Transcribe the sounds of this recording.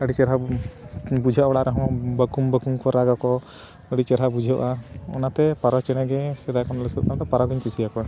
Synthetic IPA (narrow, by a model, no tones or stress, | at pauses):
əɽit͡ʃɛɾɦa | bud͡ʒʱawɔɽaʔɾɛɦɔ̃bəkumbəkumkɔɾaɡakɔ | əɽit͡ʃɛɾɦabud͡ʒʱaʔaɔ̰nat̪ɛpaɾɔt͡ʃɛɽ̃ɛɡɛsɛd̪akɔnləsət̪̚ãʈɔpaɾɔɡiɲpusijakɔa